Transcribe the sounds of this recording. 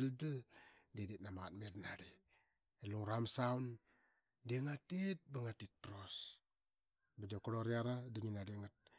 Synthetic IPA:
ldəl | dedetnamat̚meɾnaɾi | eloɾamsaun | deŋatet̚baŋatit̚pɾos | badokoɾoɾiaɾadiŋinaɾiŋat̚

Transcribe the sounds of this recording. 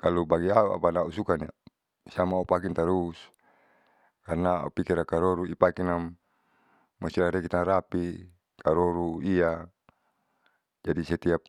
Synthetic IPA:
kalubaɡiaua̰panausukania̰ | siamaupak̬int̪aɾus | karnaa̰upikiɾakaɾoɾuipakinamː | asilaɾɛkit̪anɾapi | kaɾoɾuia | d͡ʒadisɛt̪iap̚

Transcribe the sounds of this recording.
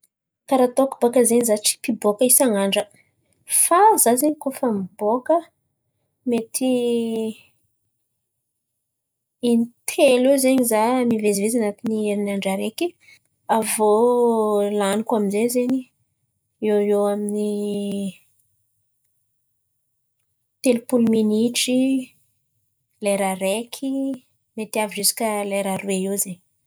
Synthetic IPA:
kaɾat̪oku̥b̥akəzeɲizat͡si̥pibokəisaŋaɳɖ͡ʐə | fazazeɲikofamibokə | met̪ʰi | int̪ʰelezeɲizamivezivezanat̪inieɾinaɳɖ͡ʐaɾeki | avo | lanikwaminzezeɲi | ewewamini | t̪elpuluminiʈ͡ʂi | leɾaɾekʰi | met̪iaviʐisi̥kəleɾaɾuweewzeɲi

